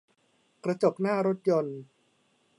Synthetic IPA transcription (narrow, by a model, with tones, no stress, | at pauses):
kɾa˧t͡ɕo˨˩k̚naː˥˩ɾo˦˥t̪̚jo˧n